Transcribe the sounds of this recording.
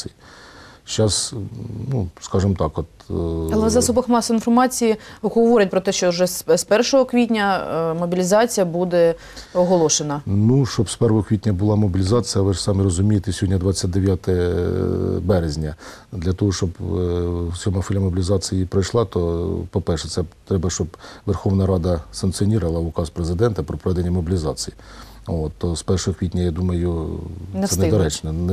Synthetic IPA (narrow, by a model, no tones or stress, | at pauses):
ʃt͡ʃɑsnuskɑʒɪmt̪ɑkɔt̪ɐlˠɛzɑsɔbɐxmɑsɔinfɔrmɑt͡sʲijiɦɔʋɔɾʲɪt̚ʲpɾɔt̪ɛʃt͡ʃɔʊʒɛsspɛrʃɔɦɔkʋʲitʲnʲɐmɔbʲilʲizɑt͡sʲijɐbud̪ɛ | ɔɦɔlˠɔʃenɐnuʃt͡ʃɔbspɛɾʋɔɦɔkʋʲitʲnʲɐbʊlˠɑmɔbʲilʲizɑt͡sʲjɐʋɪʐsɑmɪɾɔzʊmʲijet̪ɪsʲɦɔdʲnʲɐd̪ʋɑt͡sʲːat̚ʲd̪eʋʲjat̪ɛ | bɛɾezʲnʲɐ | d̪lʲɐt̪ɔɦɔʃt͡ʃɔb | t͡sʲɔmɐfɔlʲɐmɔbʲilʲizɑt͡sʲijipɾɔjʃlˠɑt̪ɔpɔpɛrʃɛt̪sɛt̪ɾɛbɐʃt͡ʃɔbʋerxɔwnɐɾɑd̪ɐsɐnk̪t͡s̪iɔnʲiɾɐlˠɐʊkɑspɾezɪd̪ɛnt̪ɐpɾɔpɾɔʋɛd̪enʲːɐmɔbʲilʲizɑt͡sʲiji | ot̪ːɔspɛrʃɔɦɔkʋʲit̪̚ʲnʲɐjɑd̪umɐjʊ | sɛɛnɛd̪ɔɾɛt͡ʃnɛn